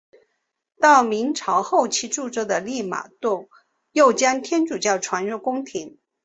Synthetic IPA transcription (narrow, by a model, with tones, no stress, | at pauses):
t̪ɑ˥˩ʊmi˧˥ŋʈ͡ʂʰɑ˧˥ʊxo˥˩ʊt͡ɕʰi˧˥ʈ͡ʂu˥˧ʈ͡ʂɤ˥d̪ə˨li˥˩ma̰˨˩t̪u˥˩ | jo˥˩ʊt͡ɕjɑ˥ŋt̪ʰjɛ˥nʈ͡ʂu˨˩t͡ɕjɑ˥˩ʊʈ͡ʂʰwa˧˥nɻə˧˥kʊ˥ŋt̪ʰi˧˥n